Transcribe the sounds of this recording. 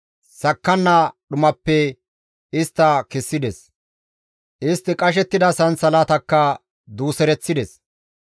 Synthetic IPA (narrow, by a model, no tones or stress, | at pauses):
sɐkːɐnːɐɗʊmɐpːɛ | ɪst̪ːɐkɪsːɪd̪ɛs | ʔɪst̪ːɪkʼɐʃ̬ɛt̪ːɪd̪ɐsɐnsɐlat̪ɐkːɐ | d̪uːsɛɾɛt͡sːɪd̪ɛs